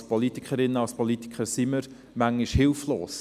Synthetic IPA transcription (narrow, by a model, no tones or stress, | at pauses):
spɔlitɪ̥kχəɾɪnːəɑspɔlit̪ɪ̥kχəɾsiməɾ | mæŋiʃhɪlfloːs